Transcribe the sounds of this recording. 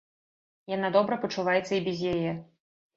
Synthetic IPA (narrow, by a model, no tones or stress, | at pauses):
janad̪ɔbɾɐpɐt͡ʂuvajɛt̪sːɐibʲɛzʲjajɛ